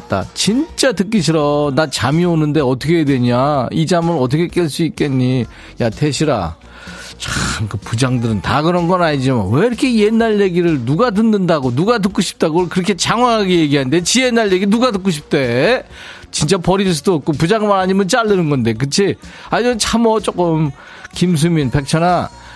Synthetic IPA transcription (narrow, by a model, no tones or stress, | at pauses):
t͈a̰t͡ɕint͡ɕ͈atɯk̬͈iɕʰiɾʌnat͡ɕamionɯnde̞ʌtʰʌkʰedwe̞ɲaid͡ʑamɯɾʌtʰʌkʰek͈eɭs͈uik͈eɲːi | jatʰe̞ɕʰiɾa̰ | t͡ɕankɯpud͡ʑaŋdɯɾɯntaɡɯɾʌnɡʌnaɲid͡ʑima̰nweiɾʌkʰe̞jenːaɭjeɡiɾɯɭnuɡat̬ɯnːɯndaɡonuɡat̬ɯk͈uɕʰi̥p̚t͈aɡɯʌɭkɯɾʌkʰe̞t͡ɕaŋɦwaɦaɡejeɡiɦannde̞t͡ɕijenːaɭje̞ɡinuɡatɯk͈uɕ̬ʰi̥p̚t͈e̞ | t͡ɕint͡ɕ͈apʌɾiɭs̬͈udoːk̚k͈opud͡ʑaŋmaɾaɲimɯnt͡ɕaɭːɯnɯnɡʌnde̞k̬ɯt͡ɕʰiaɲidɯmɯnt͡ɕʰamʌt͡ɕ͈ok͈ɯm | kims̬ʰuminpe̞k̚t͡ɕʰʌna